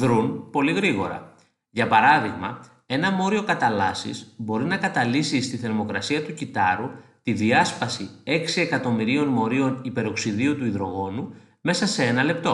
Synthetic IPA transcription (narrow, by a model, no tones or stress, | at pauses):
ðɾunpo̞liɣɾiɣo̞ɾɐ̰ | ʝɐpɐɾɐðiɣmɐ̰ | e̞nɐmo̞ɾio̞kɐt̪ɐlɐsḭzbo̞ɾinɐkɐt̪ɐlisist̪iθe̞ɾmo̞kɾɐsiɐt̪ucit̪ɐɾut̪iðiɐspɐsie̞ksie̞kɐt̪o̞miɾio̞nmo̞ɾio̞nipe̞ɾoksiðiot̪uiðɾo̞ɣo̞nu | me̞sɐse̞e̞nɐle̞p̚t̪o̞